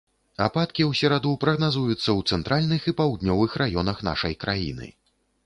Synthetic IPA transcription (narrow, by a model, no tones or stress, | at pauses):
apat̪kʲiwsʲɛɾad̪upɾɐɣnazujut̪sːɐwt̪sɛnt̪ɾalʲnɨxipawd̪nʲɔvɨxrajɔnɐxn̪a̰ʂɐjkɾajḭnɨ̰